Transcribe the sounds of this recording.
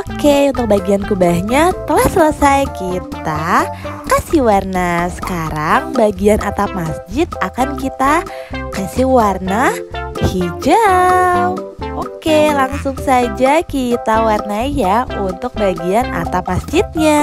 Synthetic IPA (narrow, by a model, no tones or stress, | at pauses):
okeunt̪ʊk̚baɡiankubahɲat̪əlahsələsajkit̪akasiwarnasə̥kaɾaŋbaɡianʔat̪ap̚masd͡ʒɪt̪̚akankit̪a | kaasiwarnahid͡ʒawokelaŋsʊŋsad͡ʒakit̪awarnajaunt̪ʊk̚baɡiana̰t̪apmasd͡ʒɪt̪̚ɲa